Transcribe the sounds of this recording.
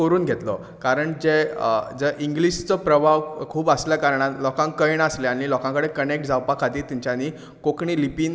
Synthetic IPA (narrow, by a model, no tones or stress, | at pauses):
əɾuːnɡʱet̪lɔ | kaɾəɳd͡ʑed͡zəʔiŋɡliɕt͡sɔpɾəbʱaʋkʰuːbəsləkaɾəɳalɔkãŋkəjɳəsleañilɔkãŋkəɽekənek̚ʈ̚d͡zʱawpakʰat̪iːɾt̪iɲt͡ɕjaniː | kokɳiːlipiːn